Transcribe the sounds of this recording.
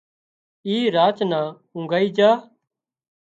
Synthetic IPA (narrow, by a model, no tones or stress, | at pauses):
iːɾaːt͡ʃnãː | ʊ̃ŋɡaːiːd͡ʒaː